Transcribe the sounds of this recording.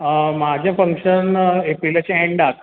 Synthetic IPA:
mad͡ʑʱjãfəŋkʂənepilat͡ɕeɛ̃ɳɖak

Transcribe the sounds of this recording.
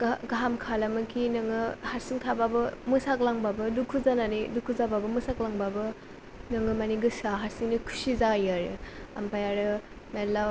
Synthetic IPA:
ɡɡaɦamkʰalamɯkʰinɯŋɯhaɾsiŋtʰababɯmɯsak̚laŋbabɯdukʰuzananidukʰuzababɯmɯsaklaŋbabɯ | nɯŋɯmaniɡɯsaɦaɾsiŋnikʰu̥sizajaɾɯa̰mpajaɾɯ | mela

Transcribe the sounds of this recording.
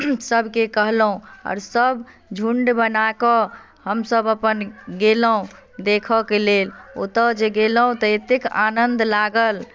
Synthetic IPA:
səbʱkekəɦlɦũɔ̰ːɾsəb | d͡ʒʱuɳɖbənakɔ | həmsəbəpənɡeləɦũ | d̪ekʰɔkelelo̰t̪əd͡ʒeɡelɦũt̪əet̪eka̰nənd̪laɡəl

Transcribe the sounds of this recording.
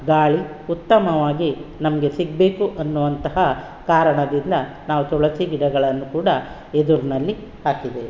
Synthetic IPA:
ɡaːɭi | ut̪ːɐmɐʋaːɡinɐmɐɡesiɡ̚be̞ːkuʔɐnːuʋɐnt̪ɐɦɐ | kaːɾɐɳɐd̪ind̪ɐ | naːʋut̪ɔɭɐsiɡiɽɐɡɐɭɐnːukuːɽɐ | ed̪uɾnɐlːi | haːkid̪e

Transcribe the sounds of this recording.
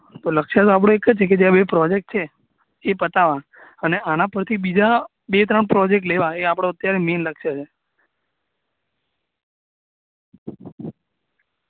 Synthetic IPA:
t̪oləkʃat̪oap̬ɽ̃õekəd͡ʒt͡ʃʰek̬ed͡ʒeãbepɾɔd͡ʒek̚ʈ̚t͡ʃʰeː | pət̪aʋa | əneʔanãpəɾt̪ʰibid͡ʒa | bet̪ɾəɳpɾɔd͡ʒek̚ʈleʋaeapɽ̃oət̪jaɾemenləkʃat͡ʃʰe

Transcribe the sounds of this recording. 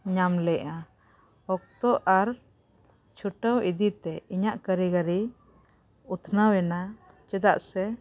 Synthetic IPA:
ɲamlɛʔa | hɔk̚t̪ɔʔaɾ | t͡ʃʰuʈəwid̪it̪ɛiɲaʔkəɾiɡəɾi | ut̪ʰnawɛna | t͡ʃɛd̪a̰ʔsɛ

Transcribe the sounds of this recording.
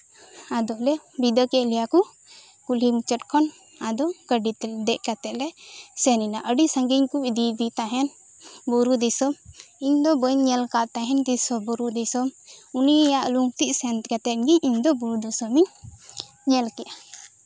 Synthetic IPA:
ad̪ɔlɛbid̪əkɛʔlɛjaku | kulimut͡ʃəʈkʰɔn | ad̪ɔkəɖit̪d̪ɛʔkat̪ɛʔ̪lɛsɛninaʔəɖisəŋɡiɲkuid̪id̪it̪aɦɛn | buɾud̪isɔmiɲd̪ɔbəjɲɲɛlkaʔt̪aɦɛnd̪isɔbɔɾud̪ɛsɔmunijaʔluŋt̪iʔ̚sɛnt̪kat̪ɛt̪ɡiɲʔiɲd̪ɔbuɾud̪ɔsəmiɲ | ɲɛlkɛʔa

